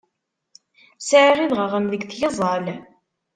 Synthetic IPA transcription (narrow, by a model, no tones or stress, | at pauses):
sʕʁiðʁəʁəmðəɡθjəzˤɑl